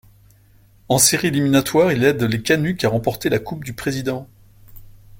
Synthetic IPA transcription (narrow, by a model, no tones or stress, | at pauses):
ɑ̃seʁieliminat̪waʁilɛd̪lekʲanykʲaʁɑ̃pɔʁt̪elakup̚d̪ypχezid̪ɑ̃